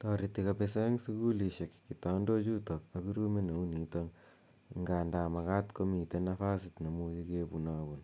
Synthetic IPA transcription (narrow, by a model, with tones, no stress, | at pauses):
tɔɾitːika˨pesa˦ŋsuku˦li˨ʃe˨kkːita˨ndo˦t͡ʃu˦to˨ka˨ki˦ɾu˦me˦na˨u˦ni˨to˦ŋ | ŋɡaː˨ndaː˨ma˨ka˦tko˦mi˨te˦nafa˦sitna˨mut͡ʃike˦buna˦bu˨n